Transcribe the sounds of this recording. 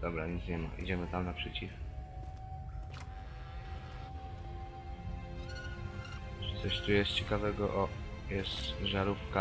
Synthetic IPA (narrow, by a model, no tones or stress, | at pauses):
d̪ɔbɾaɲit̪sɲɛma̰ʔḭd͡ʑɛmɘt̪amnapʂɛt͡ɕif | ʐt̪sɔɕt̪ujɛst̪t͡ɕɛkavɛɡɔʔɔ | jɛst̪ʐaɾufka